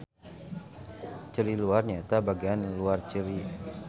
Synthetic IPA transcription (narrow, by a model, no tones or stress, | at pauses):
t͡ʃəliluarɲat̪abaɡianluart͡ʃəli